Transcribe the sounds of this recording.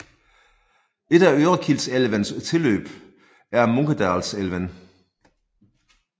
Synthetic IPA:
e̝d̥æøːʁɐkʰil̰̥seləʋænst͡sʰe̝lø̰ːb̥ | æɐmoŋkəd̥ɑːlselʋæn

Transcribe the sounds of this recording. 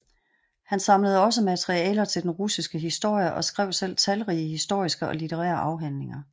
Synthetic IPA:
hænsɑ̈mləð̞̩ˠɒ̽s̬əmæt͡sʰeʁiɛːlɐt͡sʰe̝ld̥enʁusisɡ̥əɦisd̥o̝ɐ̰jəʔɒ̽sɡ̥ʁɛʊ̰sel̰t͡sʰælʁiːəɦisd̥o̝ɐ̰isɡ̥əʔɒ̽lit͡sʰeʁæ̰ːɐʔɑ̈ʊɦæn̰le̝ŋɐ

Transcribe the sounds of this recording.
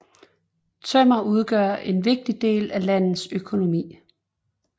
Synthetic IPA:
t͡sʰømɐuð̞ˠɡ̥ɶɐ̰ʔe̝nʋe̝ɡ̥̚d̥id̥e̝̰ːlælæn̰ð̩ˠsøkʰo̝no̝mḭː

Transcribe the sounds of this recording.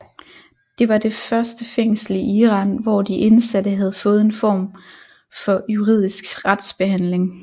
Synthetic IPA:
d̥e̝ʋɑ̈d̥e̝fɶɐsd̥əfeŋ̰sl̩iiːʁɑ̈ːnʋɒd̥iʔe̝nsæd̥əɦæð̞̩ˠfɔ̽ːð̩ˠe̝nfɒ̰ːm | fɒ̽juʁið̰ˠisɡ̥ʁad̥sb̥e̝ɦæn̰le̝ŋ

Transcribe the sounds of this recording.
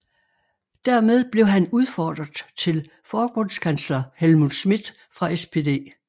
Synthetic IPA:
d̥æɐmeð̞ˠb̥le̝ʊɦænuð̞ˠfɒːd̥ʁɐð̩ˠt͡sʰe̝l | fɒːb̥ɔ̽n̰skʰænslɐhelmuðˠsmid̥ˠ | fʁɑ̈espʰe̝d̥e̝̰ː

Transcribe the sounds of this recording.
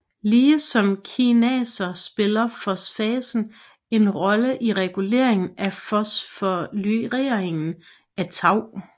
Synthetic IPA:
liːəsɒ̽mkʰinɛːsɐsb̥e̝lɐfɒ̽sfɛːsn̩ | e̝nʁɒ̽ləʔiʁɛɡ̥ule̝̰ɐ̰e̝ŋn̩æfɒsfɒlyʁeɐeŋn̩ | æt͡sʰɑ̈ʊ̰

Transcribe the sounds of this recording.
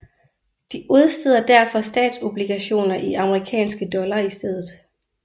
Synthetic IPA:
d̥iʔuð̞ˠsd̥e̝ð̞̰ˠɐd̥æɐfɒ̽sd̥ɛ̰ːd̥so̝b̥liɡ̥æɕo̝̰ːnɐʔiɑ̈məʁikʰɛ̰ːnsɡ̥əd̥ɒ̽lɐisd̥eð̞̰ˠð̩ˠ

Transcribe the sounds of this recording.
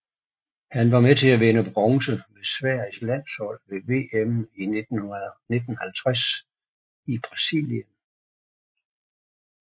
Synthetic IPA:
hænʋɑ̈met͡sʰe̝læʋenəb̥ʁɒŋsəmesʋæɐ̰islæn̰shɒ̽l̰ʋe̝ʋe̝̰ːemi̥ | ne̝d̥n̩hælt͡sʰʁas | ib̥ʁɑ̈sḭljən

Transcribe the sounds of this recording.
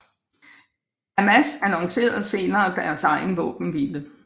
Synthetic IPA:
æmæsænɒŋse̝̰ːɐð̩ˠse̝ːnɐːb̥æɐt͡sʰɑ̈ɪ̰n̩ʋɔ̰̽ːb̥n̩ʋilə

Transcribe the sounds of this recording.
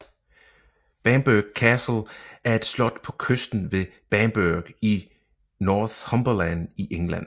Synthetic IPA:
b̥ænb̥øɡ̥̚kʰæsl̩ʔæɐe̝d̥slɒ̽d̥pʰɒ̽kʰøsd̥n̩ʋe̝b̥ænb̥øɐɡ̥i | nɒːθhɒmb̥ɒlæniʔeŋlæn̰

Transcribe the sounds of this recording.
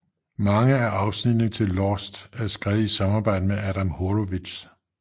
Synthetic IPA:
mɑ̈ŋəæʔɑ̈ʊsnid̥nət͡sʰe̝lːɒsd̥æɐsɡ̥ʁɛːʊð̩ˠisɑ̈mɑ̈b̥ɑ̈ɪ̰d̥əmeæɾæmhoɾoʋidɕ

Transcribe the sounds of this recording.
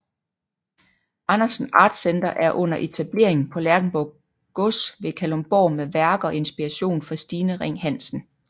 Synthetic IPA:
ʔɑnɐsn̩ɑ̰̈ːd̥send̥ɐʔæɐʔɔ̽n̰ɐʔe̝t͡sʰæb̥le̝̰ɐ̰eŋn̩pʰɒ̽læɐɡ̥n̩b̥ɒ | ɡ̥ɔsʋe̝kʰælomb̥ɒ̰ːmeʋæɐɡ̥ɐɒ̽e̝nsb̥iʁæɕo̝̰ːnfɑ̈sd̥iːnəʁeŋ̰hæn̰sn̩

